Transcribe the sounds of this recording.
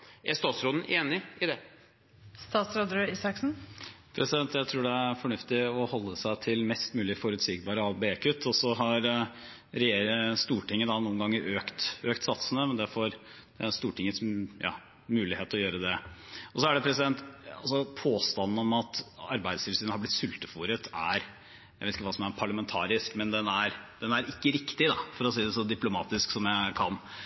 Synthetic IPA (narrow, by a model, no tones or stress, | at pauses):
ʔæɾst̪ɑːt̪sɾoːd̪n̩ʔeːnɪɪd̪ɛ | st̪ɑːt̪sɾoːd̪ɾəiːsɑksn̩pʰɾɛsɪd̪ɛnt̪jæɪt̪ʰɾuːɖɛæfɔɳʉft̪ɪɔhɔlːəsæɪt̪ʰɪlmɛst̪mʉːlɪfɔɾʉt̪siːɡ̚bɑːɾəɑbeekʰʉt̪ʰːɔsɔɦɑɾ | ɾɛjeːɾəst̪uːʈɪŋːəd̪ɑnuːənɡɑŋːəɾøːkt̪øːkt̪sɑt̪sənəmɛnd̪ɛfɔɾ | d̪̥ɛst̪uːʈɪŋːəsjɑ̰ː | mʉːlɪheːt̪ɔjøːɾəd̪ɛɔsɔæɖɛpʰɾɛsɪd̪ɛnt̪ɑ̰lsɔpʰoːst̪ɑnːn̩ɔmɑt̪ɑ̰ɾbæɪd̪sɪlsiːnəhɑɾblɪt̪sʉlt̪əfuːɾət̪ʰæɾ | jæʋeɪt̪ɪkːəʋɑːsɔmæɾpʰɑɭəmɛnt̪ʰɑ̰ːɾɪskmɛnd̪ɛnæɾd̪̥ɛnæɾɪkːəɾɪkt̪ɪd̪ɑfɔɾɔsiːd̪ɛsɔd̪ɪplʊmɑːt̪ɪsksɔmjækʰɑ̰nː